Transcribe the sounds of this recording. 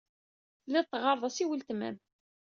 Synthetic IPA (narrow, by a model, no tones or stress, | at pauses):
lɪðt̪ːʁɑɾˤðˤɑsiwəlt̪mæ̰n